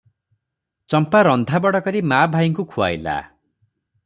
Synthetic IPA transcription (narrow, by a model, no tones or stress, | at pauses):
t͡ʃɔmpaɾɔnd̪ʱabɔɽɔkɔɾimabʱajŋkukʰua̰jla̰